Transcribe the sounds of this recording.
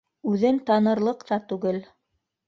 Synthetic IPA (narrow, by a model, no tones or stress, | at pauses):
ʉðɘnt̪ɑnɤ̆ɾlˠɤ̆qt̪ɑt̪ʉɡɘl